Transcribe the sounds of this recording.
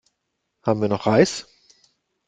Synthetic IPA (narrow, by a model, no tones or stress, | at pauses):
haːbm̩viːɐnɔχʔaɪs